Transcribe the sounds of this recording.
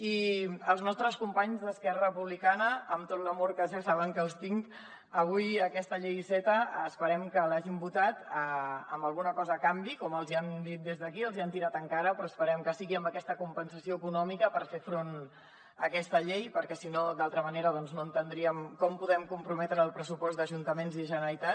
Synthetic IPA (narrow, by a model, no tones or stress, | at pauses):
iəlˠznɔst̪ɾəskumpaɲzðəskɛrərəpuβlikanəːmt̪ot̪ləmoɾkəʒasaβəŋkəːlˠst̪iŋk | əβ̞ujəkɛst̪əʎejsɛt̪əːspəɾɛmkəlaʒimbut̪at̪əəmbəlˠɣunəkɔzəːkambikɔməlˠziand̪it̪̚d̪ezðəkiəlˠziant̪iɾat̪əŋkaɾəpɾɔəspəɾɛmkəsiɣiəmbəkɛst̪əkumpənsəsioːkunɔmikəpəɾfefɾon | əkɛst̪əʎejpəɾkɛsinod̪alˠt̪ɾəməneɾəðɔnznoənt̪ənd̪ɾiəmkɔmpuðɛmkumpɾumɛt̪ɾəːlˠpɾəsupɔsd̪əʒunt̪əmenziʒənəit̪a